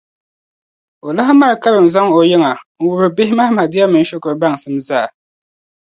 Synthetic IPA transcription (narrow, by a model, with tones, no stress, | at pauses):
o˨la˦ɦa˦ma˦ɾka˦bɨ˨m̩˨za˦ŋo˨jɛ˦ŋa˨ŋ̩˨wʊ˨bɨ˨bɪ˦hɪ˦ma˦hma˨di˦a˦mɨ˨n˦ʃo˦kɨ˨ɾba˦˨ŋ˨sɨ˦mzaː˦˨